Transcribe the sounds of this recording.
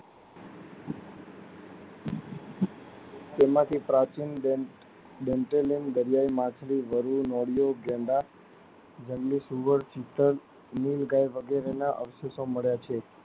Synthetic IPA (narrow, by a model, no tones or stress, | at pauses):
t̪emãt̪ʰipɾat͡ʃin | ɖeɳʈelinɡəɾjajmãt͡ʃʰliʋəɾunɔɽijoɡẽɳɖa | d͡ʒəŋɡlisuʋəɾt͡ʃit̪əɾ | nilɡajʋəɡeɾenaʔə̰ʋəsesoməɭjat͡ʃʰe